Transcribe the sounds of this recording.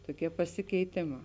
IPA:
toːˈkʲiɛ pɐsʲɪkʲɛɪˈtʲeːˌmɑː

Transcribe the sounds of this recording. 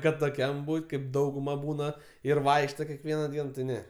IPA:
kɐt toːˈkʲɛm ˈbuːtʲ kɐɪp ˈdɐʊɡʊmɐ ˈbuːnɐ ɪr ˈʋɐɪkʃtoː kʲɛkˈʋʲiɛnɐ ˈdʲiɛn tʲɪ ˈnʲɛ

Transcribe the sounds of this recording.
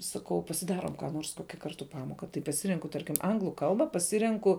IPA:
sɐˈkɐʊ pɐsʲɪˈdɑːroːm kɑː ˈnoːrs ˈkoːkʲɛ ˈkɐrtʊ ˈpɑːmoːkɐ tɐɪ pɐˈsʲɪrʲɛŋkʊ ˈtɐrʲkʲɪm ˈɐŋɡlˠʊ ˈkɐlˠbɐ pɐˈsʲɪrʲɛŋkʊ

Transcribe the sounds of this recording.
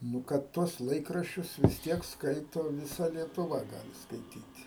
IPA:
ˈnʊ kɐt ˈtuɔs ˈlˠɐɪkrɐʃʲt͡ʃʲʊs ʋʲɪs ˈtʲiɛk ˈskɐɪtoː ʋʲɪˈsɐ lʲiɛtʊˈʋɐ ˈɡɑːlʲɪ skɐɪˈtʲiːtʲ

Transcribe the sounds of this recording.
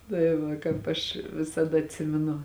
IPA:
tɐɪ ˈʋɐ kɑːp ˈɐʃ ʋʲɪsɐˈdɐ ɐtʲˈsʲɪmʲɪnʊ

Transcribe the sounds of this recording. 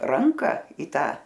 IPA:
ˈrɐŋkɐ iː ˈtɑː

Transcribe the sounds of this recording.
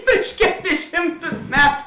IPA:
ˈpʲrʲɪʃ kʲɛˌlʲɪs ˈʃʲɪmˌtʊs ˈmʲæːtʊ

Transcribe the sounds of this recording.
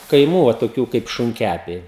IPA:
kɐɪˈmuː oː toːˈkʲuː kɐɪp ʃʊŋʲˈkʲæpʲɛɪ

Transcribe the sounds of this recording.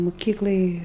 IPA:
mʊˈkʲiːklˠɐj

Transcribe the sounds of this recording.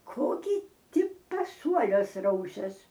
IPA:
ˈkoː ɡʲɪ ˈtʲɪ pɐˈsuɔlʲuɔs ˈrɐʊsʲɛs

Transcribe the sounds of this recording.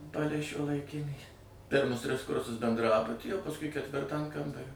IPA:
ˈpɑːlʲɛɪ ʃʲuɔlˠɐɪˈkʲɪnʲiː ˈpʲɪrmʊs ˈtʲrʲɪs ˈkʊrsʊs bʲɛndˈrɑːbʊtʲiː oː pɐsˈkʊɪ kʲɛtʲˈʋʲɪrtɑː ɐn ˈkɐmbɐrʲoː

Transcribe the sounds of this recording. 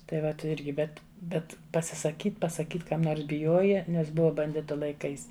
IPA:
tɐɪ ˈʋɐt ˈɪrʲɡʲɪ ˈbʲɛt ˈbʲɛt pɐsʲɪsɐˈkʲiːt pɐsɐˈkʲiːt ˈkɐm ˈnoːrs bʲɪˈjoːjɛ ˈnʲɛs ˈbʊʋɐ bɐnʲˈdʲɪtʊ lˠɐɪˈkɐɪs

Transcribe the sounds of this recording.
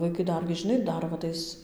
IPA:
ʋɐɪˈkɐɪ ˈdɐrʲɡʲɪ ʒʲɪˈnɐɪ ˈdɐr ʋɐ ˈtɐɪs

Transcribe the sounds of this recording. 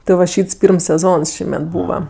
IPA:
tʲɪ ʋɐ ˈʃʲiːts ˈpʲiːrms sʲɛˈzoːns ˈʃʲiːmʲɛt ˈbuːʋɐ

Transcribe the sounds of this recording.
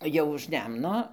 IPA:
ˈjɛʊ ʊʃ ˈnʲɛmnoː

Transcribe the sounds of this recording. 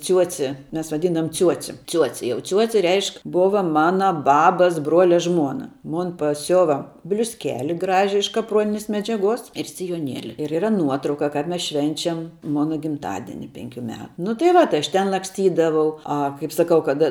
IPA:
ˈt͡sʲuɔt͡sʲɪ ˈmʲɛs ʋɐˈdʲiːndɐʋoːm ˈt͡sʲuɔt͡sʲɪ ˈt͡sʲuɔt͡sʲɪ jɛʊ ˈt͡sʲuɔt͡sʲɪ ˈrʲɛɪʃk ˈboːʋɐ ˈmɑːnɐ ˈbɑːbɐs ˈbruɔlʲɛ ˈʒmuɔnɐ ˈmoːn pɐˈsʲʊʋɐ bʲlʲʊsʲˈkʲæːlʲɪ ˈɡrɑːʒʲɪ ɪʃ kɐpˈruɔnʲɪnʲeːs mʲɛd͡ʒʲɛˈɡuɔs ɪr sʲɪjoːˈnʲiɛlʲɪ ɪr iːˈrɐ ˈnuɔtrɐʊkɐ kɐp ˈmʲɛs ˈʃʲʋʲɛnʲt͡ʃʲɛm ˈmoːnɐ ɡʲɪmˈtɑːdʲɪnʲɪ ˈpʲɛŋʲˌkʲʊ ˈmʲɛ nʊ tɐɪ ˈʋɐ tɐɪ ˌɐʃ ˈtʲɛn lˠɐksʲˈtʲiːdɐʋɐʊ ˈɐ kɐɪp sɐˈkɐʊ kɐt

